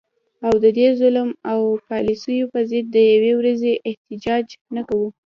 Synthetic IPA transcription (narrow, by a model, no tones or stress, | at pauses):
awd̪əd̪ezʊlmawpɑlisəjopəzɪd̪̚ːəjawewɾazeʔɪht̪ɪd͡ʒɑd͡ʒnakawu